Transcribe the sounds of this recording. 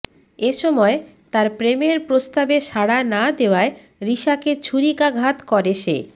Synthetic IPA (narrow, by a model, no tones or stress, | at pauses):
eʃɔmɔet̪aɾpɾemeɾpɾost̪abeʃaɽanad̪eoae | ɾiʃaket͡ɕʰuɾikaɡʱat̪kɔɾeʃʰḛ